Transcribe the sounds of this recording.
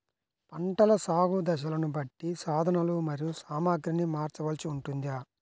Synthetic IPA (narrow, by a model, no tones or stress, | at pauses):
pɐɳʈɐlɐsaːɡud̪ɐʃ̬ɐlɐnubɐʈːisaːd̪ʱɐnɐlumɐɾijusaːmaːɡɾinimaːɾt͡ʃɐʋɐlsiuɳʈund̪iaː